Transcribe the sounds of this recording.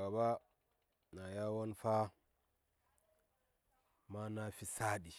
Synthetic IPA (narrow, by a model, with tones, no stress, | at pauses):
a˨ba˦ | na˨ja˦wo˦nfa˦ | ma˦na˦fi˦sa˦ɗi˨